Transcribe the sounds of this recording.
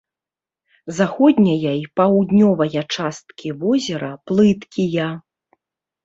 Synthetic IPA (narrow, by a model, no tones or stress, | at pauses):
zaxɔd̪ʲnʲɐjɐjpawd̪nʲɔvɐjɐt͡ʂast̪kʲʰivɔzʲɛɾɐplˠɨt̪kʲijɐ